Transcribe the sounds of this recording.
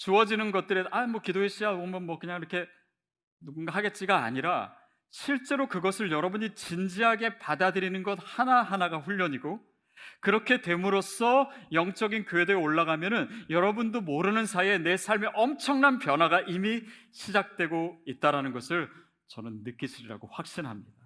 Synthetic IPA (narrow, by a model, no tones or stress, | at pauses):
t͡ɕuʌd͡ʑinɯnɡʌt̚t͈ɯɾeamwʌkidoɦeɕ͈ʰiɡaʌmʌnmwʌkɯɲaŋiɾʌkʰe̞ | nuɡunɡaɦaɡe̞t̚t͡ɕ͈iɡa̰ːɲiɾa | ɕʰiɭt͡ɕ͈e̞ɾokɯɡʌsʰɯɭjʌɾʌbuɲit͡ɕind͡ʑiɦaɡe̞padadɯɾinɯnɡʌt̚hanaɦanaɡaɸuʎːʌɲiɡo | kɯɾʌkʰe̞te̞muɾos͈ʰʌjʌŋt͡ɕ͈ʌɡinkjoɦe̞deoɭːaɡamjʌnɯnjʌɾʌbundomoɾɯnɯnsʰae̞ne̞sʰaɭmeʔʌmt͡ɕʰʌŋnanpjʌnɦwaɡaʔimiɕʰid͡ʑak̚t͈we̞ɡoit̚t͈aɾanɯnɡʌsʰɯɭ | t͡ɕʌnɯnːɯk͈iɕʰiɾiɾa̰ɡoɸwak̚ɕ͈inɦamɲida